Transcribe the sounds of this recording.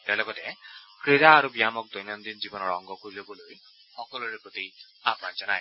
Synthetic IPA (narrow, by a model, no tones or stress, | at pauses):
taɹlɔɡɔtɛkɹiɾaːɹubijamɔk̚d̪ɔjnɔnd̪inzibɔnɔɹɔŋɡɔkoɹilobɔloj | xɔkɔlɔɹepɹot̪i | apnazɔnaj